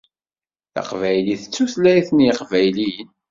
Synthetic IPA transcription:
θæ̰qvæjliθət͡sːuθlæjθniqvæjlijən

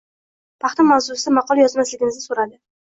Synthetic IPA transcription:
pʰɑχt̪ʰamawzʊsmɑqʰɒlˠajɒzmaslɪɡʲɪnɪzɪsoɾad̪ɪ

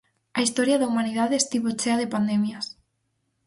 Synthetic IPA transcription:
aist̪ɔɾjaðaumaniðaðeest̪iβot͡ʃeaðepand̪emjas

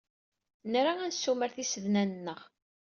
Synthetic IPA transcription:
nɾaænsːuməɾθisəðnænənːəʁ

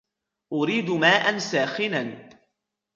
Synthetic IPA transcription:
ʔʊɾiːd̪maːʔansaːxɪnan

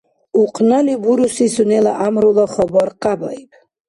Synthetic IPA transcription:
uqʼnalivuɾusisunɛlaʔamɾulɔχɔbɔɾqʼabaibʰ

